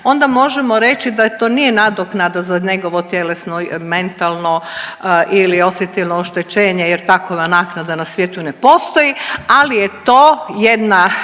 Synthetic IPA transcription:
o̞nd̪amo̞ʒemoɾe̞t͡ʃid̪at̪o̞ːnijenad̪oknad̪azaɲe̞ɡo̞ʋo̞t̪je̞le̞snome̞nt̪alˠnoʔilio̞sjet̪ilnooʃt̪e̞t͡ɕe̞ːɲejeɾt̪akoʋanaːknad̪anasʋjeːt̪unepo̞st̪o̞jialijet̪oːjed̪na

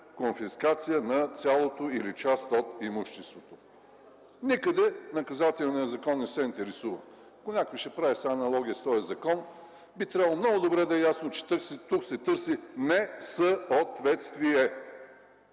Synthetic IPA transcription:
konfiskat̪sijənɐt̪sʲjalˠot̪oilit͡ʃast̪ot̪imuʃt̪ɛst̪vot̪o | nikəd̪ɛnɐkɐzat̪ɛlnijəzɐkɔnːɛsɛint̪ɛɾɛsuvə̰ | ɐkonʲakojʃɛpɾavisaːnɐlˠɔɡʲijəst̪ɔjɐzɐkɔn | bit̪ɾʲabəlˠomnɔɡʊd̪obɾɛd̪ɐɛjasnot͡ʃɛ̥t̪st̪uksɛt̪ɤɾsinɛsəot̪vɛt̪st̪viɛ

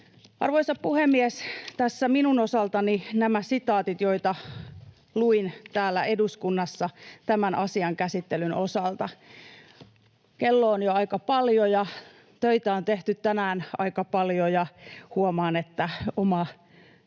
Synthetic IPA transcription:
ʔɑ̰rʋoisɑppuhemːiest̪æsːæminunosɑlt̪ɑninæmæsit̪ɑːt̪it̪joit̪ɑ | luint̪æːlːæeduskunːɑsːɑt̪æmænʔɑsiɑŋkæsit̪ːelynʔosɑlt̪ɑ | kelːoːnjoɑikɑpɑljojɑ | t̪øit̪æont̪eht̪yt̪tænæːnɑ̰ikɑpɑljojɑhuomɑːnet̪ːæomɑ

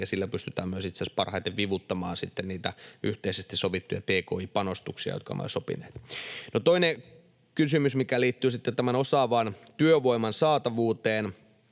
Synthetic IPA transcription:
ɑsilːæpyst̪yt̪æːmmyøsit̪sespɑrhɑit̪eʋʋiʋut̪ːɑmɑːnsit̪ːenniːt̪æyht̪eisest̪isoʋit̪ːujɑ̰t̪eːkoːipɑnost̪uksiɑ̰jo̰t̪̚kɑ̰m̰o̰sopḭneːt̪not̪oine | kysymysmikæliːt̪ːyːsit̪ːet̪æmænosɑːʋɑːnt̪yøʋoimɑnsɑːt̪ɑʋuːt̪eːn

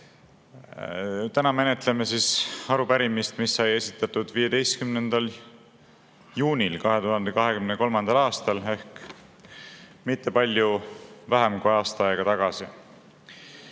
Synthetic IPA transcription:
t̪ænɑme̞ne̞t̪lemesiːsɑɾupæɾimist̪misːɑje̞sit̪ːˑɑt̪ːˑud̪̥viːje̞d̪̥e̞jst̪kymnend̪̥ɑl | juːnʲilkɑɦe̞t̪uɦɑnd̪̥ekɑɦe̞kymneko̞lmɑnd̪̥ɑlɑːst̪ɑle̞hk | mit̪ˑːe̞pɑlʲjuvæɦemkujɑːst̪ɑɑjeɡ̥ɑt̪ɑɡ̥ɑsi

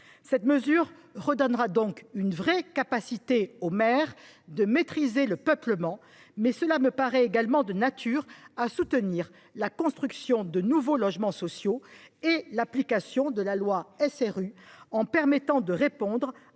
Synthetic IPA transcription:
sɛt̪məzyʁʁəd̪ɔnʁad̪ɔ̃kynvʁɛkapasit̪eomɛʁd̪əmet̪χizeləpœpləmɑ̃ | mɛsəlaməpaʁɛeɡalmɑ̃d̪ənat̪ʰyʁasut̪əniʁ | lakɔ̃st̪χyksjɔ̃d̪ənuvolɔʒmɑ̃sɔsjoelaplikasjɔ̃d̪əlalwaɛsɛʁyɑ̃pɛʁmɛt̪ɑ̃d̪əʁepɔ̃d̪ʁ

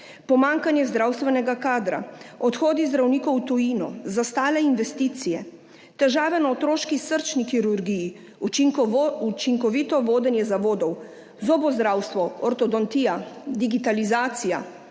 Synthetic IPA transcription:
pɔmaŋkanjɛzd̪ɾawst̪ʋɛnɛɡakaːd̪ɾa̰ɔt̪xoːd̪izd̪ɾawniːkɔwt̪ujiːnɔzast̪aːlɛinʋɛst̪iːt̪sijɛ | t̪ɛʒaːʋɛnaɔt̪ɾoːʃkisəɾt͡ʃnixiɾuɾɡiji | uiut͡ʃiŋkɔʋit̪ɔʋoːd̪ɛnjɛzaʋoːd̪ɔw | zoːbɔzd̪ɾawst̪ʋɔɔɾt̪ɔd̪ɔnt̪ijad̪iɡit̪alizaːt̪sija̰

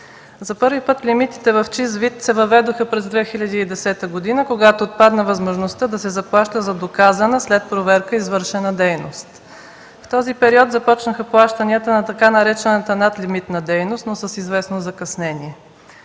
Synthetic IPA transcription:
zɐpɤɾvipɤt̪lʲimit̪i̥t̪ɛvɐft͡ʃizvit̪sɛvɐvɛd̪oxəpɾɛzd̪vɛxiʎʲɐd̪iːd̪ɛsɛt̪əɡod̪inəkoɡat̪oːt̪̚pad̪nəvɐzmoʒnost̪əd̪ɐsɛzɐplˠaʃt̪əzɐd̪okazənəslɛt̪̚pɾovɛɾkəizvɤɾʃɛnəd̪ɛjno̰st̪ | ft̪ɔzipɛɾiɔt̪zɐpɔt͡ʃnəxəplˠaʃt̪əniət̪ənɐt̪ɐkanɐɾɛt͡ʃɛnət̪ənat̪limit̪nɐd̪ɛjnost̪nosəsizvɛsnozɐkɐsnɛniɛ

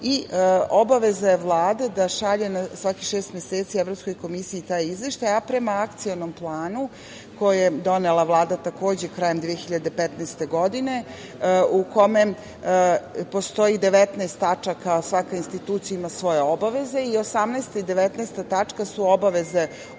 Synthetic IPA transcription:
iobaʋe̞zajeʋlˠaːd̪ed̪aʃaʎenasʋakixʃeːst̪mjeseːt̪sievɾo̞psko̞jko̞misiiːt̪ajizʋeʃt̪ajapɾemaakt̪sionomplˠaːnu | ko̞jjed̪o̞ne̞lˠaʋlˠaːd̪at̪ako̞ːd͡ʑekɾajemd̪ʋijexiʎad̪e̞pet̪nɛest̪e̞ɡo̞d̪ine̞ | uko̞mem | po̞st̪o̞id̪e̞ʋet̪naest̪ːat͡ʂakasʋakainst̪it̪uːt̪sijaimasʋo̞je̞o̞baʋe̞ze̞io̞samnɛst̪aid̪e̞ʋet̪nɛjst̪at̪at͡ʂkasuo̞baʋe̞ze

